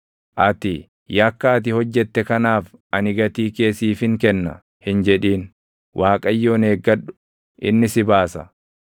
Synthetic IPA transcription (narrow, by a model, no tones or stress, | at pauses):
ʔɐt̪ɪ | jɐkːaːt̪̬ɪhɔd͡ʒːɛt̪ːɛkɐnaːfʔɐnɪɡɐt̪iːke̞ːsiːfɪŋkɛnːɐ̰ | hɪnd͡ʒɛᶑiːn | wʔaːkʼɐjːoːneːɡːɐᶑʊ̥ | ʔɪ̰nːɪsɪbaːsɐ